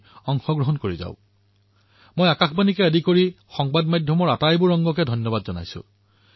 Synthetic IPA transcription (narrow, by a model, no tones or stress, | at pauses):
ɔŋxɔɡɹɔɦɔnkoɹiza̰ʊ | mojakaxbanikɛədikoɹi | xɔŋbadmajdʱjɔmɔɹatajbʊɹɔŋɡɔkɛdʱɔnjɔbadzɔna̰jsʊ̰̃